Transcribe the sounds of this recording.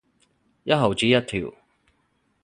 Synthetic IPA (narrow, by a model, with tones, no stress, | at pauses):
jɐ˥t̚ɦɐ˨wt͡siː˨˥jɐ˥t̚t̪ʰiː˨˩w